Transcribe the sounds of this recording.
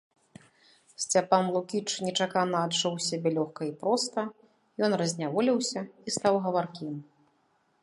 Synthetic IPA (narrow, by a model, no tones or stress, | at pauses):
sʲt͡sʲapanlˠukʲit͡ʂnʲɛt͡ʂakanɐːd̪ʂɔwsʲabʲɛlʲɔxkɐipɾɔst̪ɐ | jɔnrɐzʲnʲavɔlʲiwsʲɐist̪awɣɐvarkʲim